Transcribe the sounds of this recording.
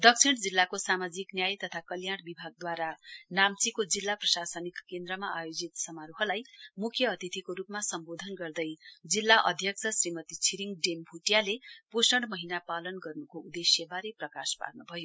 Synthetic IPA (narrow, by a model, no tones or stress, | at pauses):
d̪ʌk̚t͡sʰiɽ̃d͡zilːakosamad͡ziknjajt̪ʌt̪ʰakʌljaɽ̃bibʱaɡ̚d̪waɾanamt͡sikod͡zilːaprʌsasʌnikkːend̪ɾʌmaʔajod͡zit̪sʌmaɾuɦʌlajmukʰjʌːt̪it̪ʰikoɾupmasʌmbod̪ʱʌnɡʌrd̪ʌjd͡zilːaʔʌ̰d̪ʱjʌksʰʌsrimʌt̪it͡sʰiɾiŋɡɖembʱuʈjaleposʌɽmʌɦinapalʌnɡʌrnukoud̪esjʌbaɾeprʌka̰spa̰rnubʱʌjo